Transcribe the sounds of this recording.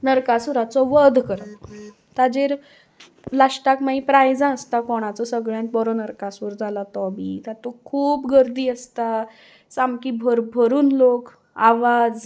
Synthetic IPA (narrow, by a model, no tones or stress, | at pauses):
nəɾkasuɾat͡sɔʋəd̪ʱkəɾət̪ | t̪ad͡ʑeɾ | laʂʈakmaipɾajd͡zãəst̪akɔɽ̃at͡sɔsəɡɭjãnt̪̚bɔɾɔnəɾkasʋəɾd͡zʱalat̪ɔbit̪at̪okʰuːpɡəɾd̪iːəst̪a | samkibʱəɾbʱəɾuːnlok | aʋad͡z